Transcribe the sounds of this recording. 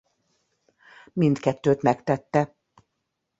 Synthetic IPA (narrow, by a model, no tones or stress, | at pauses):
mint̪kɛt̪ːøːt̪mɛkt̪ɛt̪ːɛ